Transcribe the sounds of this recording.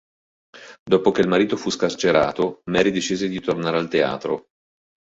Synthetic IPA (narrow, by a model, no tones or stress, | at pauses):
d̪oːpok̟eilmaɾiːt̪ofuskart͡ʃeɾa̰ːt̪omɛɾid̪et͡ʃiːzed̪it̪ornaːɾealt̪ea̰ːt̪ɾo̰